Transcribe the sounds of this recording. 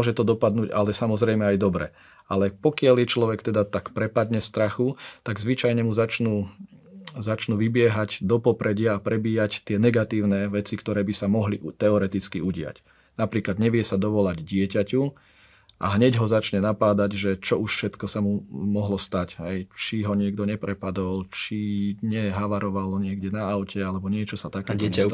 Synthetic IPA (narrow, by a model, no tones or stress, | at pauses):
ɔʒɛt̪ɔd̪ɔpad̪nuːɟalɛsamɔzɾɛjmɛajd̪ɔbɾɛ̰ | ʔalɛpɔkɪaljɛt͡ʃlɔʋɛkt̪ɛd̪at̪akpɾɛpad̪ɲɛst̪ɾaxut̪aɡzʋit͡ʃajɲɛmuzat͡ʃnuː | zat͡ʃnuːʋibɪɛɦaɟd̪ɔpɔpɾɛɟɪaːpɾɛbiːact̪ɪɛnɛɡat̪iːʊnɛʋɛt͡sikt̪ɔɾɛːbisamɔɦlit̪ɛɔɾɛt̪it͡skiuɟɪa̰c | napɾiːklad̪ɲɛʋɪɛsad̪ɔʋɔlaɟdɪɛcacu | ʔa̰ɦɲɛɟɦɔzat͡ʃɲɛnapaːd̪aɟʒɛt͡ʃɔuʃfʃɛt̪kɔsamumɔɦlɔst̪acɦɛjt͡ʃiɦɔɲɪɛɡd̪ɔɲɛpɾɛpad̪ɔlt͡ʃiɲɛɦaʋaɾɔʋalɲɪɛɡɟɛnaaʊcɛalɛbɔɲɪɛt͡ʃɔsat̪akɛː